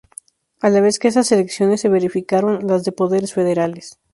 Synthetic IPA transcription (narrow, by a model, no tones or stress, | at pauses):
alaβ̞e̞skeesaseleksjo̞ne̞sːeβ̞e̞ɾifikaɾo̞nlazðe̞po̞ðe̞ɾesfe̞ð̞eɾales